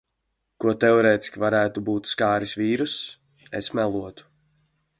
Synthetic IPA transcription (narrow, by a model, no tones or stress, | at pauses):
kuɔt̪ɛuɾɛːt̪i̥skʲivaɾæːt̪ubuːt̪skaːɾisviːɾus | esmɛlˠuɔt̪u̥